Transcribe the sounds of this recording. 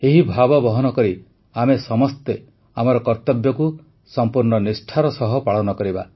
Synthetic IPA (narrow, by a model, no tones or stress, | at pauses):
eɦibʱabɔbɔɦɔnɔkɔɾi | amesɔmɔst̪e | amɔɾɔkɔɾt̪ɔbjɔku | sɔmpuɾɳɔnisʈʰaɾɔsɔɦɔpaɭɔnɔkɔɾiba̰